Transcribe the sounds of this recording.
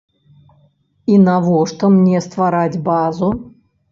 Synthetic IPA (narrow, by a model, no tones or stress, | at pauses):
inavɔʂt̪ɔmnʲɛst̪vaɾad͡zʲbazu